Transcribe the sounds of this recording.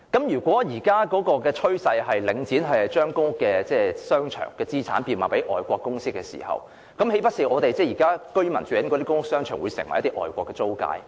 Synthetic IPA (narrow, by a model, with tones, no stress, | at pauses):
kɐ˨˦˥mjyː˨˩kʷɔː˨˥jiː˨˩kaː˥kɔː˨˥kɔː˧kɛː˧t͡ʃʰɵ˥ɥsɐ˧jɦɐ˨jlɪ˨˧˥ŋt͡siː˨˥nɦɐ˨jt͡ʃœː˥ŋkʊ˥ŋ˥kːɛː˧t͡sɛː˥˩sœː˥ŋt͡ʃʰœ̰ː˨˩ŋkɛː˧t͡siː˥t͡sʰa̰ː˨˥npiː˧˩wmaː˨˩pe˨˥ʔɔː˨jkʷɔː˧kːʊ˥ŋsɪ˥kːɛː˧sḭː˨˩hɐ̰˨˩w | kɐ˨˥mhe˨˥jpɐ˥t̚si˨˧ʔɔː˨˧t̪e˨jt͡sɛː˥˩jiː˨˩kaː˥kɵ˥ɥmɐ˨˩nt͡ʃyː˨˧jɐ˨nkɔː˨˧ɾi˥kʊ˥ŋʊ˥k̚sœː˥ŋt͡ʃʰœː˨˩ŋwuː˨˧jsɪ̰˨˩ŋwɐ˨jɐ˦t̪ːi˥ʔɔ̰ː˨˩jkʷɔː˧kːɛ˧t͡so˥wka̰ː˧j